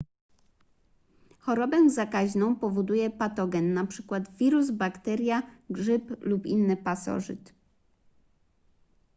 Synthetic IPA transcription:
xɔɾɔbɛzakaʑnɔ̃w̃pɔvɔd̪ujɛpat̪ɔɡʲɛnːapʂɘkwad̪vʲiɾuzbakt̪ɛɾʲjaɡʐɘplupinːɘpasɔ̰ʐɘ̰t̪

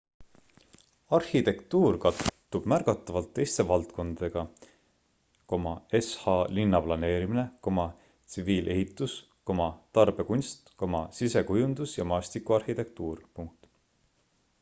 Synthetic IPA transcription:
ɑrhit̪e̞kt̪uːrkɑt̪ːˑ | ub̥mærkɑt̪ːˑɑvɑlt̪ːe̞jst̪e̞vɑlt̪ko̞nd̪̥ɑd̪e̞ɡ̥ɑ | ko̞mɑeshɑlinːɑplɑne̞ːɾimine̞ko̞mɑ | t̪siviːlʔe̞̰ɦit̪ːˑus | ko̞mɑt̪ɑrb̥e̞kunʲst̪ko̞mɑsise̞kujund̪̥usjɑmɑːst̪ikˑuɑrhit̪e̞k̚t̪uːrpuŋk̚t̪

